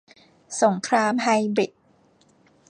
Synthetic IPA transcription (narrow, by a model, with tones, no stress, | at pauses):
so˩˦ŋkʰɾaː˧˥mɦa˧jbi˨˩t̚